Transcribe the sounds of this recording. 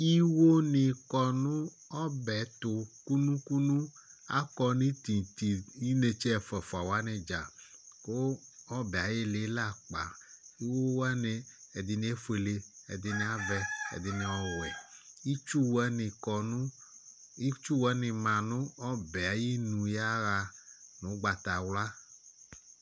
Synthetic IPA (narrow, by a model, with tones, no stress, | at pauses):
i˦wo˦nɪ̃˨kɔ˨nʊ̃˦ | ɔ˦bɛ˨t̪ʊ˨ku˦nũ˦ku˦nũ˦a̰˦kɔ˦nĩ˦t̪i˨t̪i˨i˦ne˨t͡ʃɛ˦ɛ˨fɛ˨fo˨a˨wo˨˦a˦nɛ̃˨d͡ʒa˨ko˦ɔ˦bɛ˨a˨je˦le˦la˦˨k͡pa̰˨i˦wo˦wɛ˦ne˨e˨d̪ɪ˨nĩ˦e˦fe˨le˨ḛ˨d̪ɪ˨nĩ˨˦a˦vɛ˦ḛ˨d̪ɪ˨nẽ˨ɔ˦wɛ˨i˦t͡ʃu˦wɛ˦nɪ˨kɔ˨nũ˦ | i˦t͡ʃu˦wɛ˦nɪ̃˨mã˨nũ˦ɔ˦bɛ˨a˨ji˦nũ˨ja˦ɣa˨nũ˨˦ɡ͡ba˨t̪a˨wla˦